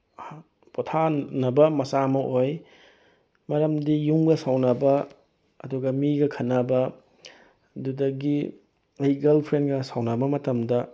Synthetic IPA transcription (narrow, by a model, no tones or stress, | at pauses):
potʰanɐbɐmɐsamɐʔoj | mɐɾɐmdijuŋɡɐsawnɐbɐ | ɐ̰duɡɐmiɡɐkʰɐnːɐbɐ | dudɐɡi | ɐjɡɐlpʰɾenɡɐsawnɐbɐmɐtɐmdɐ